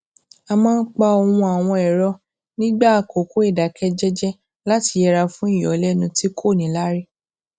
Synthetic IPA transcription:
a˧mã˦n̩˦k͡pa˧o˧wũ˧a˨w̃ɔ̃˧ɛ˨ɾɔ˧˦ | nĩ˦ɡ͡ba˦a˨ko˨ko˦e˦˨da˨kʰɛ˦d͡ʒɛ˦d͡ʒɛ˦ | la˨˦ti˧jɛ˧ɾa˧fũ˦i˦˨jɔ˨˦lɛ˦nũ˧ti˦kʰo˦˨nĩ˨˦la˦ɾi˦

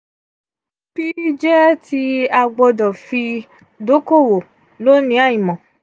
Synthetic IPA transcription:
b̥i˦d͡ʒɛ˦ti˧a˧ɡ͡bɔ˧dɔ˨fi˧ | do˨˦ko˦˨wo˨ | lo˦nĩ˨˦a˦˨ĩ˨mɔ̃˨

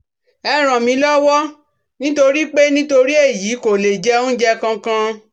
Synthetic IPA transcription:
ɛ˧ɾ̃ã˨mĩ˨˧˦lɔ˦wɔ˦ | nĩ˦to˧ɾi˦k͡pe˦nĩ˦to˧ɾi˦e˦˨jiː˨˦ko˨le˨d͡ʒɛ˧˦ũ˦d͡ʒɛ˦kã˧kã˧

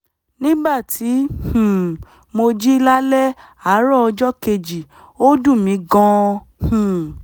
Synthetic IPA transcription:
nĩ˦ba˦˨tʰi˨˦hũ˨ | mo˧d͡ʒi˦˧˦la˦lɛ˦ | a˨˦ɾɔ˦˨ɔ˧d͡ʒɔ˦ke˧d͡ʒi˨ | o˦du˦˨mĩ˨˧˦ɡɔ̃˧ | hũ˨

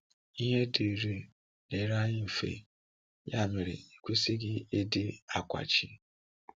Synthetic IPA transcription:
i˦ɦe˦de˨ɾe˨ | ne˨˦ɾa˦ɲɪ˦m̩˨fḛ˨ | ja˦˨me˨ɾɪ̰˨i˨kʷe˦sɪ˦ɡɪ˦e˦dɪ˦a˨kʷa̰˨t͡ʃi˦

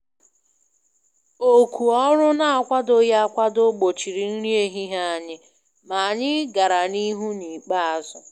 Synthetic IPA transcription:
o˦kʷu˨ɔ˦ɾʊ˦na˦a˨kʷa˦do˨ja˦kʷa˦do˦ɡ͡bo˨t͡ʃi˨ɾi˨n̩˦ɾi˦e˦ɦi˦ɦa˦a˨ɲɪ˦ | ma˨a˨ɲɪ˦ɡa˨ɾa˨ni˦ɦu˦ni˨k͡pa˦a˨zʊ˦

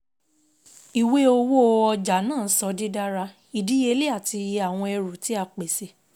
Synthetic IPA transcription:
i˨we˦o˧wo˦o˧ɔ˧d͡ʒa˨˦nãː˦˨˦sɔ˧˦di˦da˦ɾa˧ | i˨di˦e˧˦li˦a˦˨ti˧ja˨w̃ɔ̃˧ɛ˧ɾu˨ti˨˦a˧k͡pe˨se˧˦

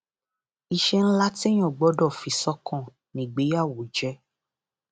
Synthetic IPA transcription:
i˨ʃɛ˧n̩˦la˦te˦j̃ɔ̃˦˨ɡ͡bɔ˨˦dɔ˦˨fi˨˦sɔ˦kɔ̃˦˨ | nĩ˨ɡ͡be˨˦ja˦˨wo˨˦d͡ʒɛ˦

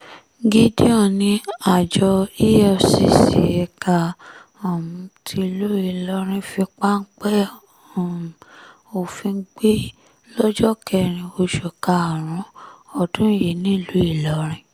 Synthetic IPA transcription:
ɡi˦di˦ɔ̃˦˨nĩ˧a˦˨d͡ʒɔ˧i˦jɛ˦o˨si˧˦sḛ˨ɛ˧ka˧ | ɔ˨mũ˨˧tʰi˧˦˨lu˦i˦˨lɔ˧ɾ̃ĩ˧fi˧k͡pa˦n̩˦k͡pɛ˦˨ | o˨fĩ˧˦ɡ͡be˦ | lɔ˦d͡ʒɔ˦kʰɛ˧˨ɾ̃ĩ˧o˧ʃo˨ka˧a˨ɾ̃ũ˨˦ɔ˨dũ˨˦je˨nĩ˦˨lu˨˦i˦˨lɔ˨˦ɾ̃ĩ˧

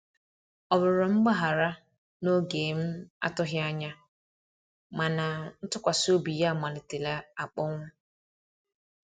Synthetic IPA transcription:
ɔ˨bʊ˨ɾɔ˨m̩˦ɡ͡ba˦ɦa˨ɾa˦ | no˦ɡeː˨m̩˦a̰˦tʊ˦ɦɪ˦a˦ɲa˦ | ma˨na˨n̩˦tʊ˦kʷa˨so˦bi˨ja˦a˨ma˨lɪ˨te˨la˦a˨k͡pɔ˦ŋʷʊ˦

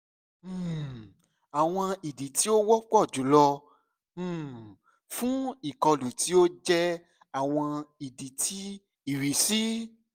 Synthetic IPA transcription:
a˨w̃ɔ̃˧i˨di˨˦ti˨˦o˦wɔ˦k͡pɔ˦˨d͡ʒu˨˦lɔ˧˦˨ | fũ˦i˦˨kɔ˧lu˨ti˨˦o˦d͡ʒɛ˦ | a˦˨w̃ɔ̃˧i˨di˨˦tʰi˨˦ | i˦˨ɾi˨˦si˦

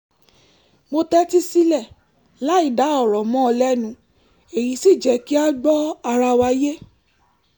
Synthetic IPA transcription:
mo˧tɛ˦ti˦si˦lɛ˦˨ | la˨˦i˦˨da˨˦ɔ˦˨ɾɔ˨mɔ̃˦ɔ˧lɛ˦nũ˧˦ | e˨ji˨˦si˦˨d͡ʒɛ˨˦ki˦a˦ɡ͡bɔ˦a˧ɾa˧wa˧˦je˦

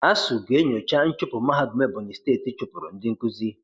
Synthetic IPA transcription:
a˦su˨ɡʷe˦ɲo˨t͡ʃa˦n̩˦t͡ʃʊ˦pʊ˨ma˦ɦa˦dʊ˨me˦bʊ˨ɲɪ˨steː˦˨ti˨˦t͡ʃʊ˦pʊ˨ɾʊ̰˨n̩˦dɪ˦ŋ̩˦ku˦zi˦

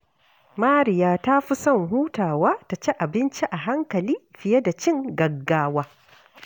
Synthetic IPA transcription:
maː˦ɾɪ˨jaː˦ta˦ɸi˦sɐ˦˨ŋɦuː˦taː˨waː˦ta˨t͡ʃɛ˦ʔa˨bɪ˦nt͡ʃi˦ʔa˨ɦa˦ŋkɐ˨liː˦ɸɪ˨je˦da˨t͡ʃɪ˦˨ŋɡɐ˨ɡːaː˦waː˦

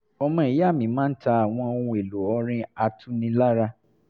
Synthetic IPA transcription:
ɔ˧mã˧˨i˨ja˦˨mĩ˨˦mãː˦n̩˦ta˧a˨w̃ɔ̃˧o˧ũ˧e˨lo˨ɔ˧ɾ̃ĩ˦˧a˧tũ˦nĩ˧la˦ɾa˧

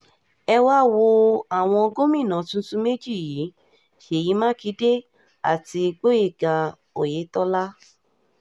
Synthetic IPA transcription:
ɛ˧wa˦˨wo˧a˨w̃ɔ̃˧ɡo˦mĩ˦˨nã˨tũ˦tũ˦me˦d͡ʒi˦˨jiː˨˦ | ʃe˨ji˨˦mãː˦ki˨˦de˦ | a̰˦˨ti˧ɡ͡bo˦je˦˨ɡa˨ | o˨je˨˦tɔ˦la˦

